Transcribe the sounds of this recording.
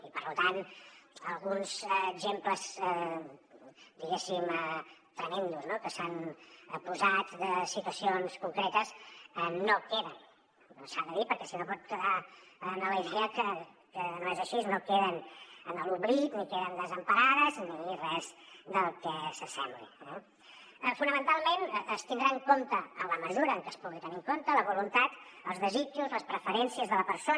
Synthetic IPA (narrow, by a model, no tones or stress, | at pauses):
ipəɾlut̪anəlˠɣunzːɡʒempləzə | d̪iɣesimət̪ɾəmend̪uznokəsanəpuzat̪d̪əsit̪wəsionskuŋkɾɛt̪əzɛːokeðənː | osand̪əðipəɾkɛsinopɔt̪kəðanələiðeəkə | kənoezəʃiznokeðənənəlˠuβɾit̪nikeðənd̪əzəmpəɾaðəzniirɛzd̪əlˠkɛsəsɛ̰mblḭɛ | funəmənt̪alˠmenəst̪ind̪ɾaəŋkont̪əələməzuɾəːŋkəspuɣit̪ənikont̪ələβulunt̪at̪ | əlˠzðəzit͡ʃuzləspɾəfəɾɛnsiəzðələpəɾso